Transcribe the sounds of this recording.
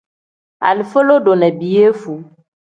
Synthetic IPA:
a̰˨lfo˦lo˦ɖo˨nɛ̃˨bi˨je˦fu˨

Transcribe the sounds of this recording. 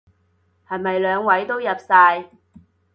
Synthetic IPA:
hɐ˨jmɐ˨jlœː˨˧ŋwɐ˨˥jt̪o˥wjɐ˨p̚saː˧j

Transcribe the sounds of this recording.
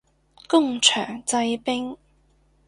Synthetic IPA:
kʊ˥˩ŋt͡ʃʰœː˨˩ŋt͡sa˧jpɪ˥ŋ

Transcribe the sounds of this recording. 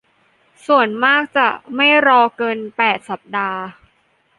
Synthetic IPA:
su˨˩ənmaː˥˩k̚t͡ɕa˨˩ma˥˩jɾɔː˧kɤː˧npɛː˨˩t̪̚sa˨˩p̚daː˧

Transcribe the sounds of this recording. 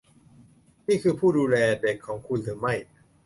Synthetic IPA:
niː˥˩kʰɯː˧pʰuː˥˩duː˧lɛː˧de˨˩kʰːɔː˩˦ŋkʰu˧nɾɯː˩˦ma˥˩j

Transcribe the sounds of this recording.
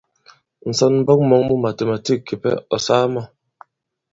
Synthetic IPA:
n̩˨sɔ˦nm̩˦bɔ˦k̩̚˦mɔ˨ŋmu˦ma˨te˨ma˨ti˦ki˨pɛ̰˦ɔ˨saː˦mɔ˦˨

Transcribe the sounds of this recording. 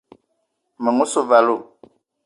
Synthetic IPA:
mə˨ŋu˦so˦˨va˨lo˦˨

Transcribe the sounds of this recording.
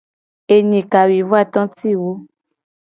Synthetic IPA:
e˨ɲĩ˨ka˨wi˨vu˦a˦˨t̪ɔ̃˦ti˦˨wo˦

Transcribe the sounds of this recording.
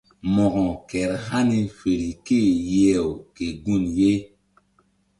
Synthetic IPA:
mɔ˨ʔɔ˨kɛ˨ɾha˦ni˦fe˨ɾi˨ke˦˨jɛ˦˨wke˨ɡu˦˨nje˦

